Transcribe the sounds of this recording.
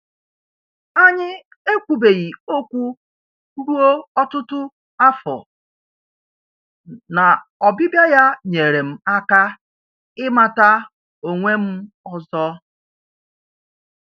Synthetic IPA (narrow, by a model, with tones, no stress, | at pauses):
a˦ɲɪ˦ | e˦kʷu˨be˨ɣi˨o˦kʷu˦ | ɾu˦o˦ɔ˦tʊ˦tʊ˦ | a˦fɔ̰˨ | na˨ɔ˨bɪ˦bja˦ja˦ɲe˨ɾe˨m̩˦a˦ka˦ | ɪ˦ma˨ta˦ | o˨ŋʷe˦m̩˦ | ɔ˦zɔ˦